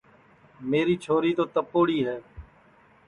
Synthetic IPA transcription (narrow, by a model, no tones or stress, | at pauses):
meːɾiːt͡ʃʰoːɾiːt̪oːt̪əpoːɽiːɦɛː